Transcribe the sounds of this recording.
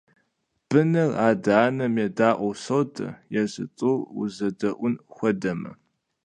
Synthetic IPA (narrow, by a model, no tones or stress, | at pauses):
b̥ɨnɨraːdaːnɐmjɛdaːʔʷʼɔwsowtʰʼɐ̰jɛɕɨ̰t͡sʼɨṵzɐdɐʔʷʊnxʷɔdɐmɐ̰